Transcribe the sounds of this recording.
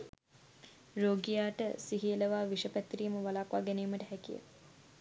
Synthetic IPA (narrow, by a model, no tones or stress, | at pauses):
roːɡijaːʈəsiɦijələʋaːʋiʂəpæt̪ːriːməʋalaːkʋaːɡæniːməʈəɦækijə̰